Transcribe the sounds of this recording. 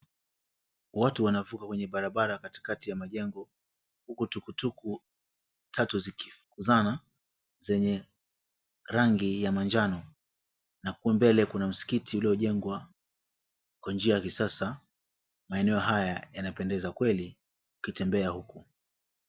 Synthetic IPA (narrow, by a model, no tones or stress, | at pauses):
watuwanavukakwɛɲɛɓaɾaɓaɾakati̥katijamaʄɛŋɡɔ | hukutukutuku | tʰatuziki̥fu̥kuzana | zɛɲɛ | ɾaŋɡijamand͡ʒanɔ | nakuɛmbɛlɛkunam̩si̥kitʰiuliɔʄɛŋɡwa | kwand͡ʒiajakisasa | maɛnɛɔɦajajanapɛndɛzakwɛli | ukitɛmbɛahuku